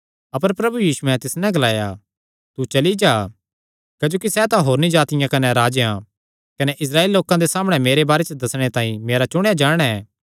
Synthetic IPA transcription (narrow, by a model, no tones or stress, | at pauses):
ɐpəɾpɾɐbujiːsuɛ̃t̪ɪsnɛ̃ɡɐlaːja̰ | t̪ut͡ʃɐlid͡ʒaː | kɐd͡ʒoːk̬isɛt̪ãɦoːɾnĩd͡ʒaːt̪ɪjãkɐnɛɾaːd͡ʒjã | kɐnɛʔɪs̬ɾaːeːllːoːkãd̪esaːməɽ̃ɛmeːɾebaːɾet͡ʃd̪ɐsɽ̃et̪ãːĩmeːɾat͡ʃʊɽ̃ead͡ʒaːɽ̃ɛ